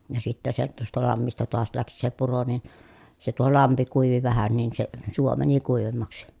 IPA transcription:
jɑ sitːæ se tuostɑ lɑmːistɑ toɑs læksi se puro nin se tuo lɑmpi kuiʋi ʋæhæn nin se suo mæni kuiʋemːɑksi

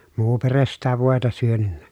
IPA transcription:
muː peres sitæ ʋoˑetɑ syønynːæ

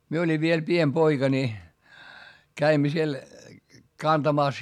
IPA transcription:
mie olʲiʋ ʋiel piem poikɑ nʲi kæimːæ siel kɑntɑmɑˑs

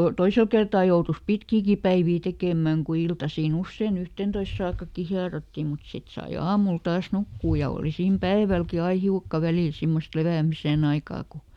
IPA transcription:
toisel kertɑː joutus pitkiːki pæiʋiː tekeˑmæˑŋ ku iltɑsiːn usːein yhteˑntois sɑːkːɑkːi hiɑrotːi mut sit sɑi ɑːmul tɑːs nukːuː jɑ oˑli siːm pæiʋælki ɑi hiukːɑ ʋæliˑl simːost leʋæˑmisen ɑikɑː ku

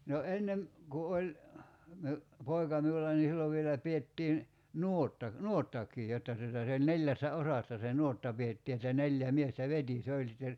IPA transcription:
no enːem ku olʲ miu poi̞kɑ miulːɑ ni silːoʋ ʋielæ pietːiːn nuotːɑ nuotːɑkˑiː jotːɑ tutɑ se olʲ neljæsːæ osɑsːɑ se nuotːɑ pietːiː etːæ neljæ miestæ ʋeti se olʲ sitːer

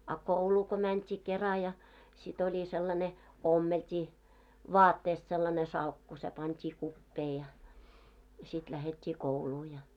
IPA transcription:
ɑ kouluː ko mæntʲiː kerɑ jɑ sit olʲi selːɑne omːeltʲiː ʋɑːtːeːst selːɑne sɑlkːu se pɑntʲiː kupːeː jɑ jɑ sit læhetʲːiː kouluː jɑ

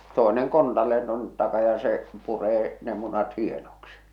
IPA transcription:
toeneŋ kontɑlːeːn tuonːet tɑkɑ jɑ se pureː ne munɑt hienoksi

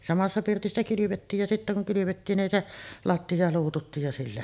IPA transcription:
sɑmɑsːɑ pirtisːæ kylyʋetːiːj jɑ sitːæ kuŋ kylyʋetːiːn nin se lɑtːiɑ luːtutːiːj jɑ silːæ

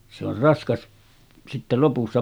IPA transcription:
se or rɑskɑs sitːe lopusːɑ

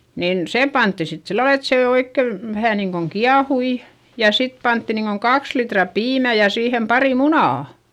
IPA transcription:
niːn sem pɑntːi sit silːɑl et seˑ oikːe ʋæhæ niːŋkoŋ kiɑhui jɑ sit pɑntːi niːŋkoŋ kɑks litrɑ piːmæ jɑ siːhem pɑri munɑˑ

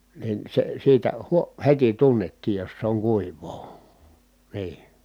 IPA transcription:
nin se siːtæ huo heti tunːetːiːj jos se oŋ kuiʋˑoː niː

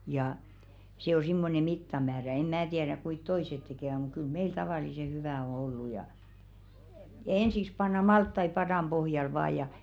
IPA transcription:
jɑ se o simːone mitːɑmæːræ em mæː tiɛræk kuit toiset tekeˑʋæ muk̆ kyl meil tɑʋɑˑlise hyʋæˑ o olːu jɑ ensiks pɑnːɑ mɑltːɑi pɑdɑˑm b̥ohjɑl ʋɑː jɑ

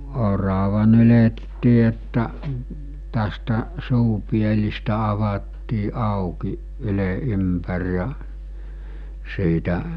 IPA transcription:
orɑʋɑ nyletːiː etːæ tæstæ suːpielistæ ɑʋɑtːiː ɑˑukiʔ ʔyle ʔympær jɑ siːtæ

